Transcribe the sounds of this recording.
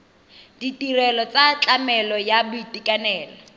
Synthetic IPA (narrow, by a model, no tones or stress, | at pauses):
d̥itʼirɛlɔt͡sat͡ɬʼamɛlɔjabʊitʼikʼanɛːlɔ